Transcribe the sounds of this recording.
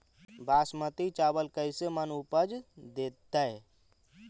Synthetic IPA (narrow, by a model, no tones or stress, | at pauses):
bʱaːsmət̪it͡ʃabəlkəjsemənupəd͡ʒd̪et̪ːəj